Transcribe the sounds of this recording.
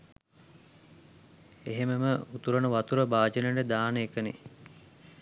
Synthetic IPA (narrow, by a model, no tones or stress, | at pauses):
eɦeməməut̪uɾənəʋat̪uɾəbaːd͡ʒənəɳɖəd̪aːnəekənḛ